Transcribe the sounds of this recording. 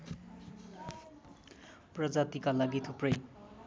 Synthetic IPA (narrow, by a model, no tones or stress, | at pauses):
prʌd͡zat̪ikalaɡit̪ʰoprʌj